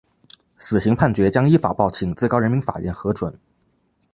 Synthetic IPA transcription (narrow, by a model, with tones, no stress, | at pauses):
sɹ̩˨˩ɕi˧˥ŋpʰa˥˩nt͡ɕɥɛ˧˥t͡ɕjɑ˥ŋi˥fa̰˨˩pɑ˥˩ʊt͡ɕʰi˨˩ŋt͡sɹ̩˥˩kɑ˥ɻə˧˥nmi˧˥nfa̰˨˩ɥɛ̰˥˩nxɤ˧˥ʈ͡ʂwə˨˩˦n